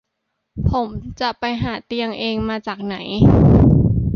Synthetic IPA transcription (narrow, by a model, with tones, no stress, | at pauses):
pʰo˩˦mt͡ɕa˨˩ʔpa˧jɦaː˩˦t̪i˧əŋʔeː˧ŋmaː˧t͡ɕaː˨˩k̚na˩˦j